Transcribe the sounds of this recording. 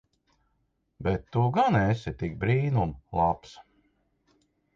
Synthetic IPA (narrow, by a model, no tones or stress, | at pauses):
bɛt̪ːuɡanesit̪ik̚bɾiːnumlˠaps